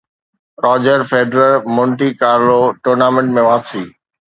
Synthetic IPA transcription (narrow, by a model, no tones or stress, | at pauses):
ɾɔːd͡ʑəɾfeːɖɾəɾmʊ̃ɳʈikaːɾloʈʊːɾnaːmẽɳʈmẽʋaːpsiː